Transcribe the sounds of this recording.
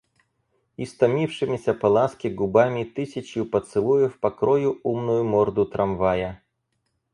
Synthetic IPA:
ist̪ɐmʲifʂɨmʲɪsʲɐpɐlˠaskʲɪɡʊbamʲit̪ɪsʲɐt͡ɕjʊpɐt̪sɨlˠujɪfpɐkɾɔjʊumnʊjʊmɔrd̪ʊt̪ɾʔɐmvajɐ

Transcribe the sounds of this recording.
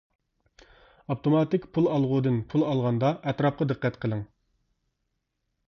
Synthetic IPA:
ɑpt̪omɑt̪ɪkʲpʰulˠɑlˠʁʊd̪ɨnpʰulˠɑlˠʁɑnd̪ɑʔɛt̪ɾɑp̚qɑd̪ɨqːɛt̪qʰəlˠɨŋ

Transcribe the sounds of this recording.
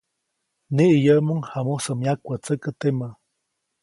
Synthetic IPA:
niʔijəmuŋhamusəmjakʷːat͡səkət̪ema

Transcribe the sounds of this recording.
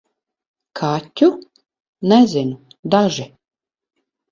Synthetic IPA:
kʰat̪ʲːu | nɛzʲɪnud̪aʒi

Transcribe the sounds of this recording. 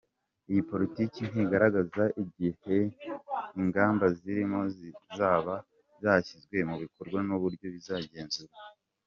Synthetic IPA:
ijipo̞ɾitiːcin̥iɡaɾaɡazaʔiɟihe̞ | iŋɡaːmbaziɾimo̞zizaːβa | zaːçizɡwe̞muβiko̞ɾɡwanuβuɾɟjo̞βizaːɟe̞ːnzuɾa

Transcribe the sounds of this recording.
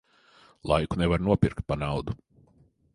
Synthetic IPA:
lˠa̰jkunɛvaɾnuɔpiɾkt̪̚panawd̪u

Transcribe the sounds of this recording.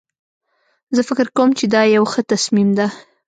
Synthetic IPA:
zəfɪkɪɾkawmt͡ʃed̪ɑjawxət̪asmimd̪a

